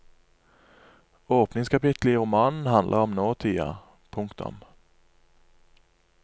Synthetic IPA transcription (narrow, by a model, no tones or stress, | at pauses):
oːpnɪŋskʰɑpɪt̪l̩iːʁʊmɑːnn̩hɑnd̪lʔəʁɔmnoːt̪ʰiːɑ̰ | pʰʊŋkt̪ʊ̰m